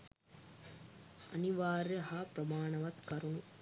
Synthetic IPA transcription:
ɐniʋaːɾjɐɦaːpɾɐmaːɳɐʋɐt̪kɐɾunu

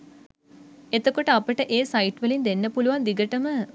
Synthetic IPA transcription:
et̪okoʈəapəʈəʔeːsaiʈʋəlind̪enːəpuluʋand̪iɡəʈəmə

